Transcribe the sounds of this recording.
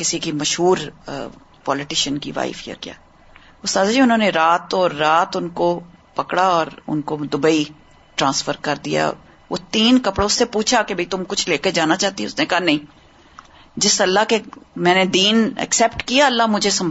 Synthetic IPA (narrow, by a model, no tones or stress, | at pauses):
kɪsikimɐʃɦuːɾ | pɔːlɪʈɪʃənkḭʋa̰ːɪfija̰kija̰ː | ʊst̪aːd̪d͡ʒĩʊnɦõːneɾaːt̪ɔːɾːaːt̪ʊnkopɐkɽaɔːɾʊ̰nkod̪ʊbəi | ʈɾãːnsfəɾkɐɾd̪ija̰ | ʋo̰t̪iːnkɐpɽõʊsːepuːt͡ʃʰakebʱɐit̪ʊmkʊt͡ʃʰleːked͡ʒaːnat͡ʃaːɦt̪iẽʊ̰snekanɐɦĩː | d͡ʒɪsɐlːakemɛ̃ːned̪iːnɛ̰ksɛːpʈkijaɐlːamʊd͡ʒʱesɐm